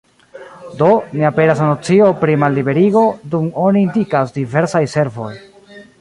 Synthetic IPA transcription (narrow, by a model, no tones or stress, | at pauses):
do̞niape̞ɾasanot͡siopɾimalːibe̞ɾiɡo̞dumoniːndikasdive̞ɾsajse̞ɾvo̞̰j